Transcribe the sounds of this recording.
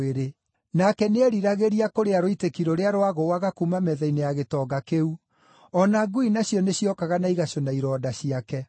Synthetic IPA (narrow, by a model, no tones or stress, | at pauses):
eɾe | nakɛneɛɾiɾaɣeɾiakoɾeaɾoitekiɾoɾeaɾowaɣowaɣakumamɛðɛinejaɣetɔːɡakeu | ɔnaɡuinaɕjɔneɕjɔkaɣanaiɣaɕonaiɾɔːdaɕiakɛ